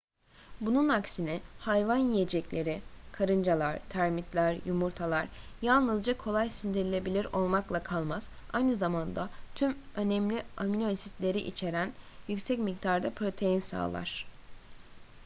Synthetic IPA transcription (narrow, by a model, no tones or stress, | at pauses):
bununaksinihajvanjijed͡ʒɛclʲe̞ɾɪkʰaɾɯnd͡ʒalˠaɾt̪ʰæɾmit̪lʲæɾjumuɾt̪ʰalˠaɾjalˠnɯzd͡ʒakʰo̞lˠajsind̪iɾilʲe̞bilʲiɾo̞lˠmaklˠakʰalˠmaz̥ | a̰jnɯzamand̪at̪ʰymø̞nɛmlʲiaminosit̪lʲe̞ɾiʔḭt͡ʃʰe̞ɾænjycsɛcmik̚t̪aɾd̪apʰɾo̞t̪ʰe̞jinsa̰ːlˠa̰ɾ̥